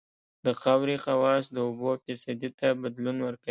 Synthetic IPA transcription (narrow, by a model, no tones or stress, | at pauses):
d̪̥əxawɾixawɑsd̪əʊbofɪsad̪it̪abad̪lunwəɾka